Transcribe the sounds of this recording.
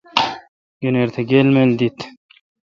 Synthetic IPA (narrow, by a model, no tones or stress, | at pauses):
ɡəneɾt̪ʰɐɡelmeld̪it̪